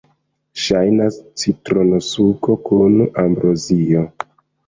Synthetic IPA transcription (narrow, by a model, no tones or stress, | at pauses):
ʃajnast͡sitɾonosuko̞kunambɾʔozio